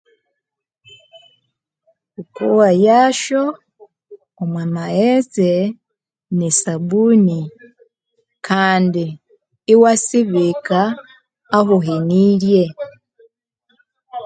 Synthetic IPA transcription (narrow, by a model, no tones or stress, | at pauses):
ukuwajaːʃo | omwamaeze | nisabuni | kʰaːndiː | wasiβikaː | ɦuɦeniːɾje